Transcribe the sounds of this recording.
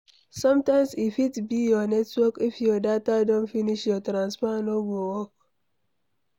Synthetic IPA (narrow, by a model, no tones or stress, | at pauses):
sɔ̃mtãɪ̃msifitbijɔnɛtwɔkifjɔdatadõnfiniʃjɔtɾãnspanoɡowɔk̚